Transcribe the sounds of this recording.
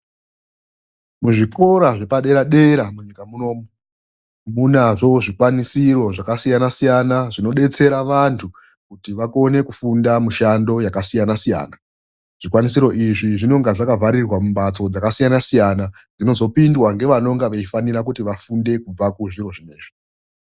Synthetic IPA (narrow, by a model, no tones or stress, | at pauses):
muʐikʰo̞ɾaʐe̞paɗe̞ɾaɗe̞ɾamuɲikamuno̞ːmo | munaʐo̞ʐikwanisiɾo̞ʐakasijanasijanaʐino̞ɗe̞t͡se̞ɾaʋantʰu | kutiʋako̞ne̞kufundamuʃando̞jakasijanasija̰ːna | ʐ̥ikwanisiɾo̞ʔiʐiʐino̞ŋɡaʐakavaɾirwamumɓat͡so̞d͡zakasijanasijana | d͡zino̞zo̞pindwaŋɡe̞ʋano̞ŋɡaʋeifaniɾak̬utiʋafunde̞kub͡vakuʐiro̞ʐine̞̰ːʐi